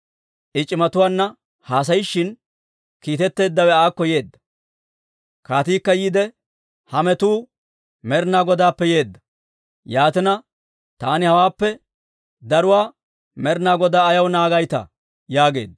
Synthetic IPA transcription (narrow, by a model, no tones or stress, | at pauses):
ʔɪt͡ʃʼɪmɐt̪ʊwaːnːɐ | haːs̬ɐjɪʃːɪn | kiːt̪ɛt̪ːe̞ːd̪ːɐwɛaːkːɔje̞ːd̪ːɐ̥ | kaːt̪iːkːɐjiːd̪ɛ | hɐmɛt̪uː | mɛɾnaːɡɔd̪aːpːɛje̞ːd̪ːɐ̥ | jaːt̪ɪnɐ | t̪aːnɪhɐwaːpːɛ | d̪ɐɾʊwaː | mɛɾnaːɡɔd̪aːɐjɐwnaːɡɐjt̪ɐ̰ | jaːɡe̞̰ːd̪ː